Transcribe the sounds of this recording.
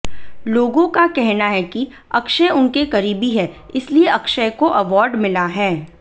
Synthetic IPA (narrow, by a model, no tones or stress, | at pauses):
loːɡõkakɛɦnaɦɛki | ɐkʃəʊnkekɐɾiːbiɦɛː | ɪslieɐkʃəkoʔɐʋɔːɾɖmɪlaɦɛː